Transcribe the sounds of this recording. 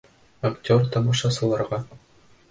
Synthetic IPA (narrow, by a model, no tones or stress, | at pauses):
ɐktʲort̪ɒmɑʃɑsɤ̆lˠɑɾʁɑ